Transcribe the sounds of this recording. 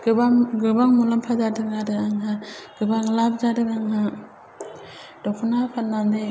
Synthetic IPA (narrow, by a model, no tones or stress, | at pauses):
ɡ̥ɯbaɡɯbaŋmulampʰazadɯŋadɯaŋɦaɡ̥ɯbaŋlap̚d͡ʒadɯkaŋɦa | d̥ɔkʰɔnapʰat̚nːande